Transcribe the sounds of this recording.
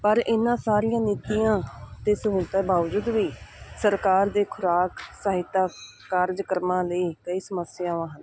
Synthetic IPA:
pəɾɪnːãːsaːɾɪjãːnɪt̪iːjãːt̪eːsəɦuːlt̪ɛːbaːʋd͡ʒʊd̪ʋiːsəɾkaːɾd̪eːkʰʊɾaːksaːɦɪt̪ːaː | kaːɾd͡ʒkəɾmãːləiːkəiːsəməsɪjaːʋãːɦən

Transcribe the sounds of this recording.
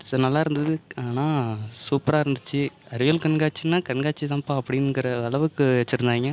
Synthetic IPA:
ɐnɐlːaːɪɾɯnd̪ɐðɯaːnaːsuːpɾaːɪɾɯnd̪ɯt͡ʃːɯɐɾɯʋɐlkɐnɡaːt͡ʃːɯnːaːkɐnɡaːt͡ʃːit̪ãːpaːɐpːɐɽɪnːɡɪɾɐɐɭɐʋɯkːɯʋɛt͡ʃːɪɾɯnd̪aːŋɡɐ

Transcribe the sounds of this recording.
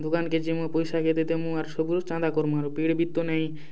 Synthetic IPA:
d̪ʱukanked͡ʑimupojʃaket̪et̪emũaɾʃobuɾot͡ʃãd̪akoɾmũaɾupiɽbit̪ːonɛj̃

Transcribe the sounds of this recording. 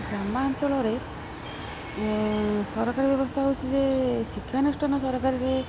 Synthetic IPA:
ɡɾambaːnt̪ʰiɔɭɔɾe | sɔɾɔkaɾibjɔbɔst̪ʰaɦowt͡ʃʰizesikʰjanusʈɔnɔsɔɾɔkaɾiɾe

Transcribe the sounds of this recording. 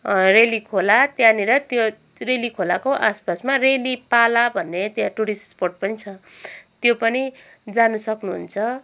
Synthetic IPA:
relikʰolat̪janiɾʌt̪jo | relikʰolakoʔaspasmarelipalabʱʌnːet̪jãʈuɽisʈsporʈ̚pʌnit͡sʰʌ | t̪jopʌni | d͡zanusʌknuɦṵnt͡sʰʌ

